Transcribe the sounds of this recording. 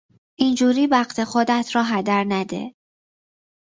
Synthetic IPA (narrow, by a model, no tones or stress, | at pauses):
ʔind͡ʒuːɾiːbæχt̪ʰe̞xod̪æt̪ʰɾɒːɦæd̪æɾnæd̪ḛ